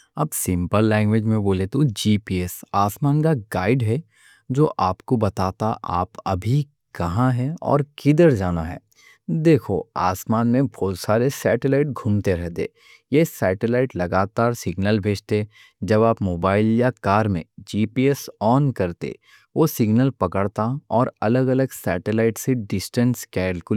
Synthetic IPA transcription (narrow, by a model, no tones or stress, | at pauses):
ɐbsɪ̃mpəlːɛ̃ːŋɡwʋeːd͡ʒmẽboːlet̪od͡ʒiːpiːɛsaːsmaːnkaɡaːɪɖɦɛ | d͡ʒoːʔaːpkobɐt̪aːt̪aʔa̰ːpɐ̰bʱi | kɐɦãɦɛɔ̰ːɾkɪd̪əɾd͡ʒaːnaɦɛ̰ː | d̪eːkʰo̰a̰ːsmaːnmẽbʱɔːt̪saːɾesɛːʈelaːɪʈ̚ɡʱũːmt̪eɾɛɦt̪ḛː | jeːsɛːʈelaːɪʈlɐɡaːt̪aːɾsɪɡnəlbʱeːd͡ʒt̪e | d͡ʒɐbaːpmoːbaːɪljakaːɾmḛ̃d͡ʒiːpiːɛsɔːnkɐɾt̪ḛ | ʋosɪɡnəlpɐkəɽt̪aɔːɾɐləɡɐləɡsɛːʈelaːɪʈseɖɪsʈə̃nskɛːlkʊ